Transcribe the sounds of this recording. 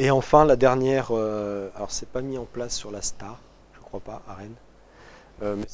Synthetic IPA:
eɑ̃fɛ̃lad̪ɛʁnjɛʁøalɔʁsɛpamiɑ̃plasːyʁlast̪aʁ | ʒ̥əkχwapaʔaʁɛn | ømɛ

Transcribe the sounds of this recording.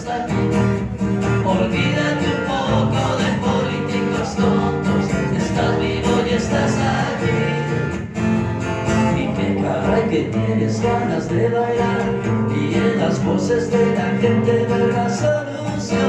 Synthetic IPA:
ati | olβiðamupokoðepolit̪ikost̪ont̪osest̪azβiβojest̪asaβi | ipekaɾajket̪jenezβanazðeβajlaɾielaskosezðeɣakent̪eβeɾðasolu | sjo

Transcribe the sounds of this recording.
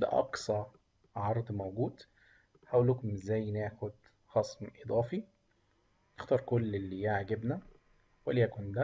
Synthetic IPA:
d̪æ̰ʔɑ̰ksˤɑɾ | ʕɑɾˤd̪ˤmowɡuːd̪ | ħæʔulːuːkomezːæːjːneːxod̪ | xɑsˤmʔed̪ˤɑːfi | next̪ɑːɾˤkolːelːijeʕɡebnæ | weliækond̪æ

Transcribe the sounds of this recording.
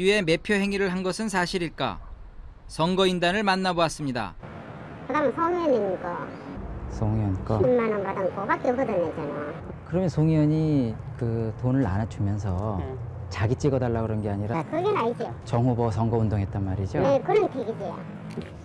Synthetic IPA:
ɥie̞me̞pʰjoɦe̞ŋiɾɯɭɦanɡʌsʰɯnsʰaɕʰiɾiɭk͈a̰ | sʌŋɡʌindanɯɭmanːaboas͈ɯmɲida̰ | kɯdamɯnsʰʌŋiʌninkʌ | sʰʌŋʌnk͈ʌinmanɯnbadɯnkʌbak͈eʌɡɯdanːed͡ʑʌnakɯɾʌmjʌnsʰoŋʌɲi | kɯtonɯɾa̰nat͡ɕʰumjʌns̬ʰʌ | t͡ɕaɡit͡ɕ͈iɡʌdaɭːaɡɯɾʌnɡe̞aɲiɾakɯɡenaid͡ʑijot͡ɕʌŋɦubʌsʰʌŋɡʌundoŋɦet̚t͈anmaɾid͡ʑonekɯɾɯntʰeɡid͡ʑija̰

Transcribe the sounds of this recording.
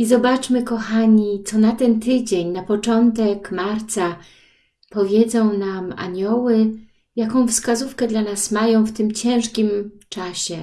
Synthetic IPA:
izɔbat͡ʂmɘkɔxaɲit̪sɔnat̪ɛnt̪ɘd͡ʑeɲnapɔt͡ʂɔnt̪ɛkmaɾt̪sa | pɔvʲjɛd̪zɔ̃w̃nama̰ɲɔwɘ | jakɔ̃w̃fskazufkɛd̪lanasmajɔ̃w̃ft̪ɘmt͡ɕɛ̃w̃ʂkʲimt͡ʂaɕɛ

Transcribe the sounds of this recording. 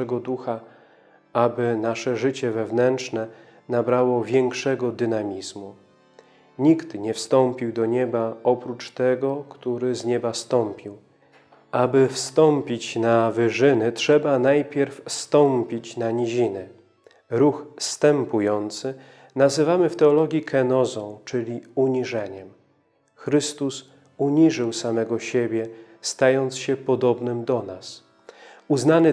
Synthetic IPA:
ɛɡɔd̪uxa | abɘnaʂɛʐɘt͡ɕɛvɛvnɛntt͡ʂnɛ | nabɾawɔvʲjɛŋkʂɛɡɔd̪ɘnamʲizmu | ɲikt̪ɲɛfst̪ɔmpʲiwd̪ɔɲɛbaɔpɾut͡ʂt̪ɛɡɔkt̪uɾɘzɲɛbast̪ɔmpʲiw | abɘfst̪ɔmpʲit͡ɕnavɘʐɘnɘtʂɛbanajpʲjɛɾfst̪ɔmpʲit͡ɕnaɲiʑinɘ | ɾuxst̪ɛmpujɔnt̪sɘ | nazɘvamɘft̪ɛɔlɔɡʲjikʰɛnɔzɔ̃w̃t͡ʂɘlʲiuɲiʐɛɲɛm | xɾɘst̪us | uɲiʐɘwsamɛɡɔɕebʲjɛ | st̪ajɔnt̪sɕɛpɔd̪ɔbnɘmd̪ɔnas | uznanɘ

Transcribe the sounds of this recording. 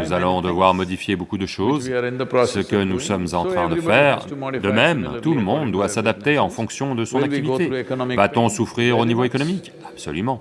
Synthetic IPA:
nuzalɔ̃d̪əvwaʁmɔd̪ifjebokud̪əʃozsəkənusɔmzɑ̃t̪χɛ̃d̪əfɛːʁd̪əmɛmt̪uləmɔ̃d̪d̪wasad̪ap̚t̪eɑ̃fɔ̃ksjɔ̃d̪əsɔ̃nakkt̪ivit̪evat̪ɔ̃sufχiʁonivoekɔnɔmik | ab̥sɔ̰lymɑ̃

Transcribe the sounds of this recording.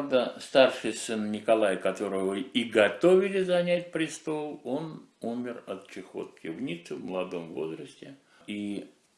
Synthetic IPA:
vd̪əst̪arʂɨjsɨnnʲɪkɐlˠajkɐt̪o̞ɾəvəiɡɐt̪ovʲɪlʲɪzɐnʲætʲpɾʲɪst̪o̞lˠo̞numʲɪrɐt̪t͡ɕɪxo̞̰t̪̚kʲɪvnʲit̪sɨvməlˠɐd̪o̞mvo̰zɾəsʲtʲɪ | i

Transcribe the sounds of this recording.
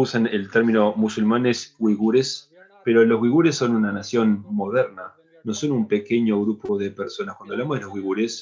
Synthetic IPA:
usanelt̪eɾmino̞musulmanesɣwiɣuɾes | peɾo̞lo̞zɣwiɣuɾesːo̞nunanasjo̞nmo̞ð̞eɾna | no̞so̞numpe̞ke̞ɲo̞ɣɾupo̞ð̞e̞peɾso̞naskwand̪βlamðelo̞zɣwiɣuɾes

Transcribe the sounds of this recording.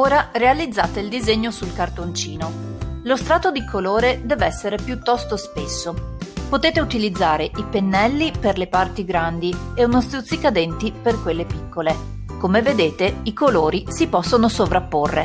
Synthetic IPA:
oːɾarealid̪zːaːt̪eild̪izeɲːosulkart̪ont͡ʃiːnolost̪ɾaːt̪od̪ikʰoloːɾed̪ɛːvɛsːeɾepjut̪ːɔst̪ospesːopot̪eːt̪eut̪ilid̪zːaːɾeʔipenːɛlːiperlepart̪iɡɾand̪ieunost̪ut̪sikad̪ɛnt̪iperkwelːepikːole | komeved̪eːt̪eikoloːɾisipɔsːonosovɾapːorːḛ

